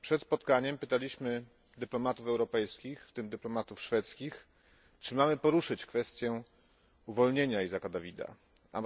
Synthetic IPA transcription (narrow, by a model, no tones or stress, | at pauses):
pʂɛt̪spɔt̪kaɲɛmpɘt̪alʲiɕmɘ | d̪ɘplɔmat̪ufɛwɾɔpɛjskʲixft̪ɘmd̪ɘplɔmat̪ufʂfɛt̪skʲix | t͡ʂɘmamɘpɔɾuʂɘt͡ɕkfɛst̪ʲjɛ | uvɔlɲeɲaizakad̪avʲid̪a̰ | a̰